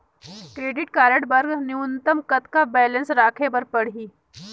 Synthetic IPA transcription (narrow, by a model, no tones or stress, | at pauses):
kɾeːɖɪʈkaːɾə̃ɳʈbɐɾɡnɪʊnt̪əmkɐt̪kabɛːlə̃nsɾaːkʰepɐɾpɐɽ̤ɦiː